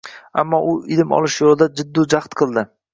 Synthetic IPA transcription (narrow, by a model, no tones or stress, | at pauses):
a̰mːɒʔʊɪd̪ɪmɒ̰lˠɪʃjolɪd̪ad͡ʒɪd̪ːʊd͡ʒaχt̪qʰɨlˠd̪ɪ